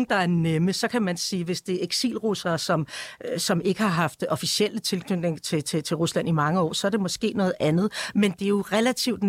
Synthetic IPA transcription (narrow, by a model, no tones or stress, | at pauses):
d̥ɑ̈æɐneməsɒ̽kʰæmænsiːʋe̝sd̥e̝ɐeɡ̥sḭːlʁusɐːsɒ̽msɒ̽me̝ɡ̥əhɑ̈ɦɑ̈fd̥ɒ̽fisiel̰ət͡sʰe̝lkʰnød̥neŋt͡sʰe̝t͡sʰe̝t͡sʰe̝ʁuslæn̰imɑ̈ŋəɒ̰ːsɒ̽æɐɾ̥e̝mɒ̽sɡ̥e̝̰ːnɔ̽ːð̩ˠʔænð̞̩ˠmend̥e̝jo̝ʁɛlæt͡sʰiʊ̰d̥